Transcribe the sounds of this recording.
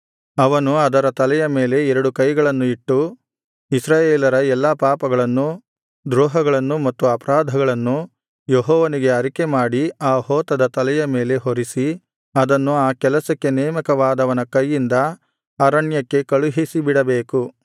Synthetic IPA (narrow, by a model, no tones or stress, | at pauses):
ɐʋɐnuɐd̪ɐɾɐt̪ɐlɛjɐme̞ːle̞ɛɾɐɽukɐjɡɐɭɐnːuiʈːu | isɾaːjeːlɐɾɐɛlːɐpaːpɐɡɐɭɐnːu | d̪ɾɔːɦɐɡɐɭɐnːumɐt̪ːuɐpɐɾaːd̪ʱɐɡɐɭɐnːu | jeɦɔːʋɐniɡe̞ɐɾike̞maːɽiaːhɔːt̪ɐd̪ɐt̪ɐlɛjɐme̞ːle̞ɦoɾisi | ɐd̪ɐnːuaːkɛlɐsɐkːe̞nɛːmɐkɐʋaːd̪ɐʋɐnɐkɐjːind̪ɐ | aːɾɐɳjɐkːe̞kɐɭuɦisibiɽɐbeːku